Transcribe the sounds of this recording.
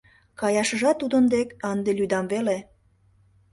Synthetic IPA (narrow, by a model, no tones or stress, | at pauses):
kɑjɑʃəʒɑt̪ːud̪ənd̪ekɑnd̪elyd̪ɑmvele